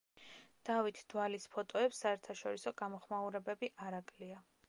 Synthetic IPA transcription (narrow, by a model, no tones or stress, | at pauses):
d̪̥avit̪ʰd̪̥walispʰɔt̪ʼɔɛpsːaɛɾt̪ʰaʃɔɾisɔɡamɔχmauɾɛbɛbiʔaɾakʼlia